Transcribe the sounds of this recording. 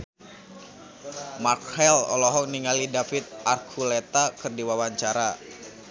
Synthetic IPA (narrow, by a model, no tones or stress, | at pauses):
makɛlɔ̰lɔɦɔniŋalidafɪt̪̚ʔarkʰulɛt̪akərdiwawaɲt͡ʃaɾa